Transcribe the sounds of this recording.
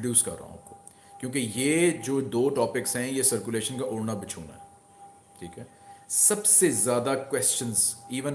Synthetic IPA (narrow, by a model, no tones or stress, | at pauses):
ɖjuːskɐ̰ɾːa̰ɦṵ̃p̚ko̥ | kjõːkejeːd͡ʒoːd̪oːʈɔːpɪksɦɛ̃jesɐɾkjʊleːʃənkaʔʊɽnabɪt͡ʃʰuːna̰ɦɛ | ʈʰiːkɦɛː | sɐbsezjaːd̪akwɛst͡ʃə̃nziːʋə̃n